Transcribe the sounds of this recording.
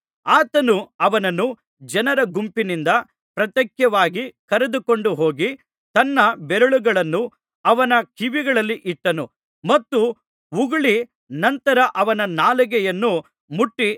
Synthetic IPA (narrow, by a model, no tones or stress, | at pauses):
aːt̪ɐnuɐʋɐnɐnːu | d͡ʒɐnɐɾɐɡumpinind̪ɐ | pɾɐt̪jɐkjɐʋaːɡikɐɾed̪ukoɳɖuɦo̞ːɡi | t̪ɐnːɐbɛɾɐɭuɡɐɭɐnːu | ɐʋɐnɐkʰiʋiɡɐɭɐlːiʔiʈːɐnu | mɐt̪ːu | uɡɐɭi | nɐnt̪ɐɾɐʔɐʋɐnɐnaːlɐɡɛjɐnːu | muʈːi